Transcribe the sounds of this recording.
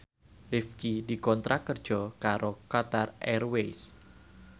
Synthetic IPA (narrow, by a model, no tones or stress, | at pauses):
rifkidikɔnt̪ɾʔakərd̥d͡ʒ̥ɔkaɾokat̪arɛrwejs